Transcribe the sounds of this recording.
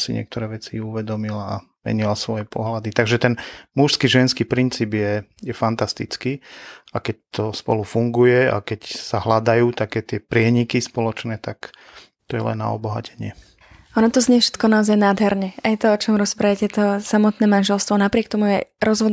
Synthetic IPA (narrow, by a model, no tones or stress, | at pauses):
siɲɪɛ̰kt̪ɔɾɛːʋɛt͡siuʋɛd̪ɔmilaː | mɛ̰ɲilasʋɔjɛpɔɦlad̪it̪aɡʒɛt̪ɛnmuʃskiʒɛnskiːpɾint͡siːbjɛjɛfant̪ast̪it͡skiːakɛc̚t̪ɔspɔ̰lufuŋɡujɛa̰kɛcsaɦlad̪ajuːt̪akɛːt̪ɪɛpɾɪɛɲikispɔlɔt͡ʃnɛːt̪ak | t̪ɔjɛlɛ̰nːa̰ɔbɔɦa̰cɛɲɪɛ | ʔɔnɔt̪ɔzɲɛfʃɛ̥t̪kɔnaɔzajnaːd̪ɦɛɾɲɛajt̪ɔɔt͡ʃɔmɾɔspɾajɛcɛt̪ɔsamɔt̪nɛːmanʒɛlst̪ʋɔnapɾɪɛk̚t̪ɔmujɛɾɔzɦɔd̪